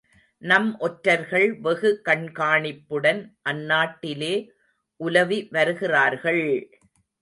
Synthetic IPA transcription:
nɐmʔɔʈɾɐɾɣɐɭʋɛɣɯkɐɳkaːɳɪpːɯɽɐnʔɐnːaːʈːɪleː | ʔʊlɐʋiʋɐɾɯɣɪraːɾɣɐɭ

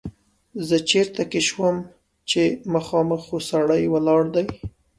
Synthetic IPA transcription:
zət͡ʃeɾt̪akeʃwəm | t͡ʃemaxɑməxosaɽajwəlɑɽd̪aj

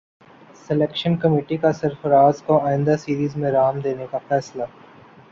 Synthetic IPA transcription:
sɪleːkʃənkɐmeːʈikasɐɾfəɾaːzkoaːɪ̃nd̪asiːɾiːzmẽɾaːmd̪eːnekafɛːsla

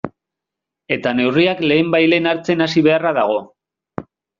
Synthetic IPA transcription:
e̞t̪ane̞wriakle̞ːmbajle̞ːnaɾt͡se̞nasiβ̞e̞araðaɣ̞o̞

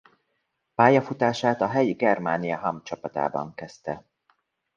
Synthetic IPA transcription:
paːjɒfut̪aːʃaːt̪ɒɦɛjiɡɛrmaːnijɒɦɒmt͡ʃɒpɒt̪a̰ːbɒ̰ŋkɛst̪ɛ

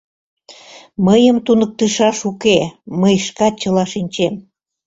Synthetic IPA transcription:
məjəmt̪unə̆k̚t̪əʃɑʃukeməjʃkɑt̪̚t͡ɕəlɑʃinʲt͡ɕem

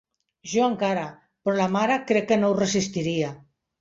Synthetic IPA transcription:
ʒoaŋkaɾa | pɾɔlamaɾakɾɛkːenowresist̪iɾia

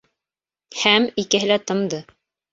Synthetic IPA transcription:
hæmikɘ̆ɦɘ̆læt̪ɤ̆md̪ɤ

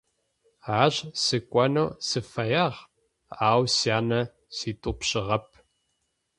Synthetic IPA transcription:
ʕaʑsɨkʷʼɐnowsɨfɐjaʁ | aːwsjaːnɐ | siːtʼʊpɕɪʁɐp̚ʰ

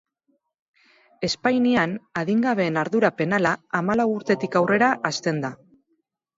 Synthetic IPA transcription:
e̞spajnianaðiŋɡaβe̞ːnaɾðuɾape̞nalaːmalawuɾt̪e̞t̪ikawre̞ɾaʔast̪e̞nd̪a

